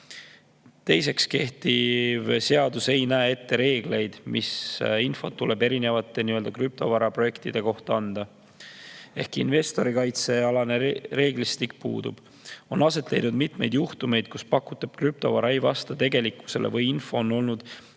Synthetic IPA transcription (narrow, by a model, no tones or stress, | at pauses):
t̪e̞jse̞kske̞ht̪ivse̞ɑd̪use̞jnæee̞t̪ːe̞ɾe̞ːɡ̥le̞jd̪̥misinfo̞t̪ːule̞be̞ɾine̞vɑt̪ːˑe̞niø̞ld̪̥ɑkryp̚t̪o̞vɑɾɑpro̞je̞kt̪id̪̥e̞ko̞ht̪ɑɑnd̪̥ɑ | e̞hkinve̞st̪o̞ɾikɑjt̪se̞ɑlɑne̞ɾe̞ːɡlist̪ikpṵːd̪̥ṵb̥ | o̞nɑse̞t̪ːlejnud̪mit̪me̞jd̪juht̪ume̞jd̪̥kuspɑkːut̪ːˑɑb̥kryp̚t̪o̞̰vɑɾɑejvɑ̰st̪ɑt̪e̞ɡe̞likːˑu̥se̞levɤjinfo̞ːno̞lnud̪̥